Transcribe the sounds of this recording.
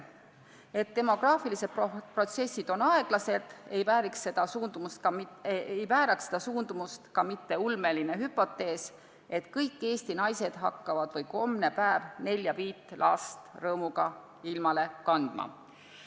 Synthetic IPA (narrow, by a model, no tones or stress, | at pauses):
e̞t̪ːe̞mo̞ɡ̥rɑːfilise̞d̪̥̚popro̞t̪se̞sːid̪̥o̞nɑe̞ɡ̥lɑse̞d̪̥e̞jvæːɾiksːe̞d̪̥ɑsuːnd̪̥umust̪kɑejvæːɾɑksed̪̥ɑsuːnd̪umust̪kɑmit̪ːe̞ulme̞line̞ɦypːo̞t̪ːe̞ːs | e̞t̪kɤjkːe̞ːsʲt̪inɑjse̞d̪̥ɦɑkːɑvɑd̪̥vɤjko̞mne̞pæevne̞lʲːjɑviːt̪ːˑlʔɑ̰st̪rɤːmuɡ̥ɑ | ilmɑle̞kɑnd̪̥mɑ̰